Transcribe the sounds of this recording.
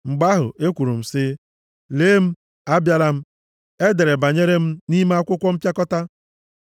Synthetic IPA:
ŋ͡m̩˨ɡ͡ba˦ɦʊ̰˨ʔe˦kʷu˨ɾu˨m̩˨sɪ˦ | leː˦m̩˦ | a˦bja˦ɾa˦m̩˦ | e˦de˨ɾe˨ba˨ɲe˦ɾe˦m̩˦ni˦me˦a˦kʷʊ˦kʷɔ˦m̩˦pja˦kɔ˦ta˦

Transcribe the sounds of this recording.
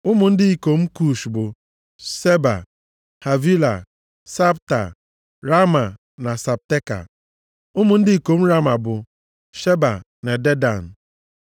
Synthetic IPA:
ʊ˦mʊ˨n̩˦dɪ˦i˦˨ko˨m̩˦ku˨ʃbʊ˨ | se˦ba̰˨ | ha˨vi˦la̰˨ | sa˦bta̰˨ | ɾa˦ma˨ | na˨sa˨p̚te˦ka̰˨ | ʊ˦mʊ˨n̩˦dɪ˦i˦ko˨m̩˦ɾa˦ma˨bʊ˨ | ʃe˦ba̰˨ | ne˨de˦da̰˨n̩˨

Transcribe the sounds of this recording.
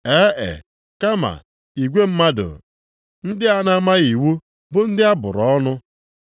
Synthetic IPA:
e˦ʔḛ˨ | ka˦ma̰˨ | i˨ɡʷe˦m̩˦ma˦dʊ̰˨ | n̩˦dɪ˦a˦na˦ma˦ɣi˨wu˦ | bʊ˦n̩˦dɪ˦a˦bʊ̰˨ɾɔɔ˦nʊ˦

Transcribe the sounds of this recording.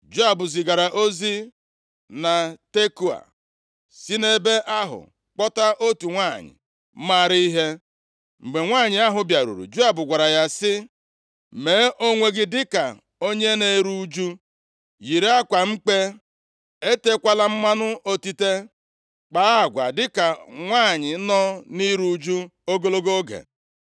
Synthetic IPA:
d͡ʒu˦a˨bʊ˨zi˨ɡa˨ɾa˨ʔo˦zi˦ | na˨te˦ku˦a̰˨ | si˦ne˦be˦ʔa˦ɦʊ̰˨ | k͡pɔ˦ta˦ʔo˦tu˨ŋʷa˦˨ɲɪ̰˨˦ | ma˦˨ɾi˦i˦ɦe˦ | ŋ͡m̩˨ɡ͡be˨ŋʷaː˦˨ɲɪ˨a˦ɦʊ˨bja˨ɾṵ˨ɾṵ˨d͡ʒu˦a˨bʊ˨ɡʷa˨ɾa˨ja˦sɪ˦ | me˨˦ʔo˦ŋʷe˦ɡɪ˦dɪ˦ka˨ | o˦ɲe˦ne˨ɾu˦d͡ʒu˦ | ji˨ɾe˦a˦kʷa˨ŋ͡m̩˦k͡pe˦ | e˦te˦kʷa˦la˦m̩˦ma˦nʊ˦ʔo˦ti˦te˦ | k͡pa˨˦˨ɡʷa̰˨dɪ˦ka˨ŋʷaː˦˨ɲɪ˨˦nɔ˦ni˦ɾu˦d͡ʒu˦o˦ɡo˦lo˦ɡo˦ɡḛ˨

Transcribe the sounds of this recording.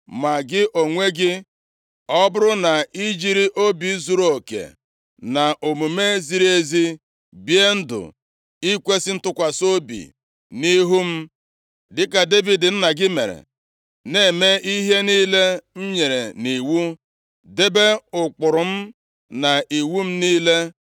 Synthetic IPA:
ma˨ɡɪ˦ʔo˨ŋʷe˦ɡɪ˦ | ɔ˦bʊ˦ɾʊ˦na˨i˦d͡ʒi˦ɾi˦ʔo˦bi˨˦zu˨ɾo˨kḛ˨ | na˨ʔo˨mu˨me˦zi˦ɾi˦e˦zi˦ | bje˦n̩˦dʊ̰˨ | i˦kʷe˦sɪ˦n̩˦tʊ˦kʷa˨so˦bḭ˨ | ni˦ɦu˦m̩˦ | dɪ˦ka˨de˦vi˨dɪ˨n̩˦na˨ɡɪ˦mḛ˨ɾḛ˨ | ne˨˦˨me˦ʔi˦ɦe˦niː˦le˦n̩˦ɲe˨ɾe˨ni˨wu˦ | de˦be˦ʊ˨k͡pʊ˨ɾʊ˨m̩˦ | na˨i˨wu˦m̩˦niː˦le˦

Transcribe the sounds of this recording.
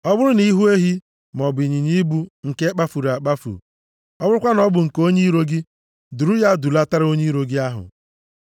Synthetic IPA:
ɔ˦bʊ˦ɾʊ˦ni˨˦ɦu˦e˦ɦi˦ | m˨ɔ˨bi˨ɲi˨ɲi˦bu˦ŋ̩˨ke˦k͡pa˦fu˨ɾa˨k͡pa˦fṵ˨ | ɔ˦bʊ˦ɾʊ˦kʷa˦nɔ˦bʊ˨ŋ̩˨ko˦ɲi˦ɾo˦ɡi˦ | dʊ˨ɾu˦ja˦du˨la˦ta˦ɾo˦ɲi˦ɾo˨ɡi˦a˦ɦʊ̰˨

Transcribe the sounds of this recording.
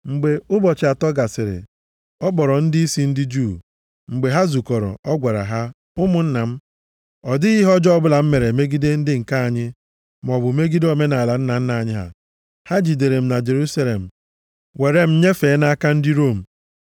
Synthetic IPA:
ŋ͡m̩˨ɡ͡be˨ʊ˦bɔ˨t͡ʃɪ˨a˨tɔ˦ɡa˨sɪ˨ɾɪ̰˨ | ɔ˦bɔ˨ɾɔ˨n̩˦dɪ˦i˦si˦n̩˦dɪ˦d͡ʒuː˦˨ | ŋ͡m̩˨ɡ͡be˨ɦa˦zu˨kɔ˨ɾɔ̰˨ɔ˦ɡʷa˨ɾa̰˨ɦa˦ | ʊ˦mʊ˨n̩˦na˨m̩˦ | ɔ˨dɪ˦ɣi˦ɦɔ˦d͡ʒɔ˦bʊ˦la˨m̩˦me˨ɾe˨me˦ɡi˦de˦n̩˦dɪ˦ŋ̩˨ka˦a˨ɲɪ˦ | m˨ɔ˨bʊ˨˦me˦ɡi˦do˦me˦na˨la˨n̩˦na˨n̩˦na˨a˨ɲɪ˦ɦa̰˨ | ha˦d͡ʒi˨de˨ɾe˨m̩˦na˨d͡ʒe˨ɾu˦sa˦le˨m̩˨ | we˨ɾe˦m̩˦ɲe˦feː˨˦na˦a˦ka˦n̩˦dɪ˦ɾo˦˨m̩˨

